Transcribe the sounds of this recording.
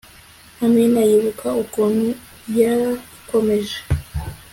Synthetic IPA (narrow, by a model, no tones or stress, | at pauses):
amŋenajiβukʰaukomi | jaɾa | komeʒe̥